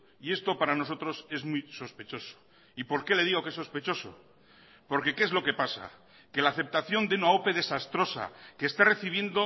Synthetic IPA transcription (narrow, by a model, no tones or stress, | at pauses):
ie̞st̪o̞paɾano̞s̬o̞t̪ɾo̞se̞zmujso̞spe̞t͡ʃo̞so̥ | ipo̞ɾke̞le̞ðiɣo̞ke̞sːo̞spe̞t͡ʃo̞so̞̰ | po̞ɾke̞keezlo̞ke̞pasa̰ | ke̞laθe̞p̚t̪aθjo̞nd̪eunao̞pe̞ðe̞sast̪ɾo̞sa̰keːst̪are̞θiβ̞je̞nd̪o